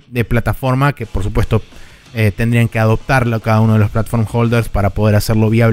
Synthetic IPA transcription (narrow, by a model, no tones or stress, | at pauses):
d̪e̞plat̪afo̞ɾmake̞poɾsu̥pwe̞st̪o̞ | et̪e̞nd̪ɾiaŋke̞aðo̞p̚t̪aɾloakaðauno̞ð̞elo̞splat̪ḁfo̞ɾmxold̪eɾspaɾapo̞ð̞e̞ɾase̞ɾlo̞βjaβ